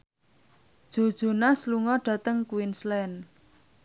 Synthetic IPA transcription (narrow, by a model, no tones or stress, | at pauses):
ʒ̥o̤d̥ʒ̥o̤nasluŋɔɖ̥ä̤t̪əŋkwinslɛn